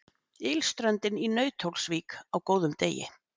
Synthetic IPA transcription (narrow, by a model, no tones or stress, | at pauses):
ɪlst̪ɾœnt̪ɪninœːɥt̪ʰowlsviːkawkoːwðʏmt̪eːjɪ̰